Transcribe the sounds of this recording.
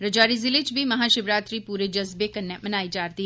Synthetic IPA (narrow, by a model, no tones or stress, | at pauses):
ɾəd͡ʒaːɾizɪlet͡ʃbimɐɦaːʃɪbɾaːt̪ɾiːpuːɾed͡ʒəzbekənːemənaːid͡ʒaːɾt̪iː